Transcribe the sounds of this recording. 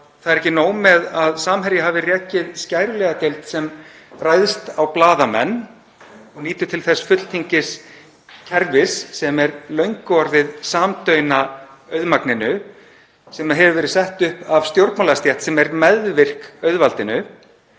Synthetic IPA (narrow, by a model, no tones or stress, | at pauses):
θaðɾɛhcːɪnoːwmɛðaðsaːmɦɛɾjɪɦaːvɪrjɛːcɪðscajɾʏlɛɣat̪ejlt̪sɛmraːjðɪst̪awplaːðamɛ̰nː | ɔɣniːt̪ʏt̪ʰɪlθɛsfʏt̪l̥t̪ʰiɲcɪs | cʰɛɾvɪsːɛmɛɾlœɥŋkɔɾðɪðsaːmt̪œɥna | œɥðmaknɪnʏ | sɛmaðɦɛvvɛːɾɪðsɛht̪ʏhpavst̪jowɾt̪maːlast̪jɛht̪sɛmɛɾmɛðvɪr̥kœɥðvalt̪ɪnʏ